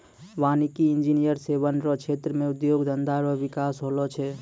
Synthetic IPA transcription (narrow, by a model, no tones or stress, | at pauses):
ʋanikiind͡ʒinijəɾseβənɾɔt͡ʃʰet̪ɾəmeud̪joɡd̪ənd̪aɾɔʋikasɦolɔt͡ʃʰɛ